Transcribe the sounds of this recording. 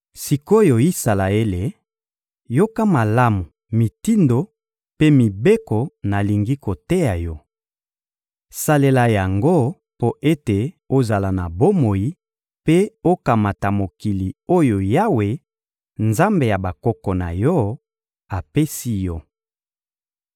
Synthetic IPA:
si˨ko˦jo˨i˦sa˨la˨e˦le˨ | jo˦ka˦ma˨la˦mu˨ | mi˨ti˦ndo˨ | pe˦mi˨be˦kɔ˨na˨li˨ŋɡi˦ko˨te˦ja˨jɔ˦ | sa˨le˨la˨ja˨ŋɡo˦ | po˦ʔe˦te˨ | o˦za˨la˨na˨bo˦mo˨ji˦ | pe˦o˦ka˨ma˨ta˨mo˨ki˨li˨o˦jo˨ja˦we˨ | nza˦mbe˨ja˨ba˨kɔ˦kɔ˨na̰˨jɔ˦ | a˨pe˦si˦jɔ˦

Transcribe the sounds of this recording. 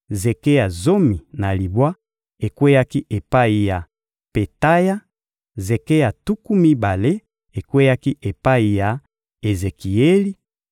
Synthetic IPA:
ze˨ke˦ja˨zo˦mi˨na˨li˨bwa˦ | e˨kwe˦ja˦ki˦ʔe˨pa˦i˨ja˨ | pe˨ta˦ja˦ | ze˨ke˦ja˨tu˦ku˦mi˦ba˨le˦ | e˨kwe˦ja˦ki˦ʔe˨pa˦i˨ja˨ | e˨ze˨ki˨e˦li˦

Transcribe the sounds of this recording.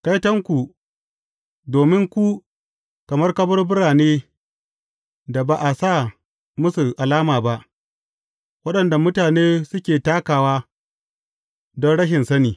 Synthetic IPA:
ka˦jtɐ˦ŋkʷu˨ | doː˨mɪ˦ŋkʷu˦ | kɐ˨mɐ˦rkɐ˦bɐ˦rbʊ˦ɽaː˨neː˦ | da˨ba˨ʔa˨saː˦˨ | mʊ˦su˨ʔa˨laː˦maː˨ba˦ʔ | wɐ˦ɗɐ˨nda˨mʊ˦taː˨neː˦sʊ˦kʲeː˨taː˦kaː˨waː˦ | dɔ˦nɽɐ˦ʃɪ˨nsɐ˦niː˨

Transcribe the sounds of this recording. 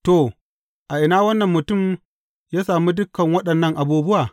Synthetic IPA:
to˨ | ʔa˨ʔɪ˨naː˦wɐ˦nːɐ˨mːʊ˨tʊ˦˨m | jaː˦saː˨mu˦dʊ˦kːɐ˨ŋwɐ˦ɗɐ˨nːɐ˦ŋʔa˨buː˦bʊ˦waː˨

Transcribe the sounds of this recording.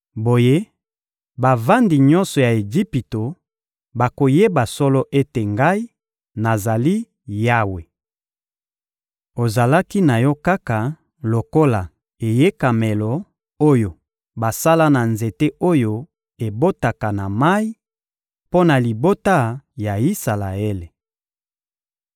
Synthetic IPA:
bo˨je˦ | ba˨va˦ndi˨ɲɔ̃˦nsɔ˨ja˨e˨d͡ʒi˦pi˨to˨ | ba˨ko˨je˦ba˨sɔ˦lɔ˦ʔe˦te˨ŋɡa˦i˦ | na˨za˨li˦ | ja˦we˨ | o˨za˨la˦ki˦na˨jɔ˦ka˦ka˨ | lo˨ko˦la˨ | e˨je˦ka˨mɛ˨lɔ˨ | o˦jo˨ | ba˨sa˦la˦na˨nze˨te˦o˦jo˦ | e˨bo˦ta˨ka˨na˨ma˦i˦ | po˦na˨li˨bo˦ta˦ja˨i˦sa˨la˨e˦le˨

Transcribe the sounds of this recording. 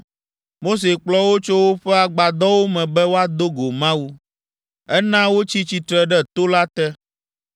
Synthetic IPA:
mo˦s̬e˨k͡plɔ˦wo˦t͡ʃo˦wo˦ɸɛ˦a˨ɡ͡ba˨d̪ɔ˦wo˦mɛ̃˨bɛ˦wo˦a˦d̪o˦ɡo˨mã˦wu˦ | ɛ˦nã˦wo˦t͡ɕi˦t͡ɕi˨t̪ɾɛ˨ɖɛ˦t̪o˦la˦t̪ɛ˦

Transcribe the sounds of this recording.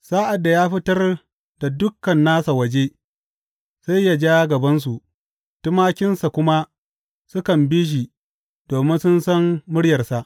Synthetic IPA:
saː˦ʔa˨dːa˨jaː˦ɸɪ˦tɐ˦r | d̥a˨dʊ˦kːɐ˨nːaː˦sa˨wɐ˨d͡ʒe˦ | sa˦jːa˦d͡ʒaː˦ɡɐ˨bɐ˦ns̬u˨ʔ | tʊ˦maː˦kʲɪ˦nsa˨kʷʊ˦ma˦ | sʊ˦kɐ˨mbiː˦ʃ̬i˨ | d̥oː˨mɪ˦nsʊ˦nsɐ˦mːʊ˦ɽjɐ˨rsa˨ʔ

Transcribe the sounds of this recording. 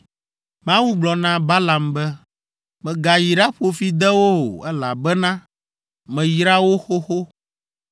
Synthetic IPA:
mã˦wu˦ɡ͡blɔ˨nã˦ba˦la˨mbɛ˦ | mɛ̃˨ɡa˨ji˨ɖa˦ɸo˨fi˦d̪ɛ˦wo˦o̰˨ɛ˦la̰˨bɛ˦nã˦ | mɛ̃˨ji˨ɾa˦wo˦xo˦xo˦

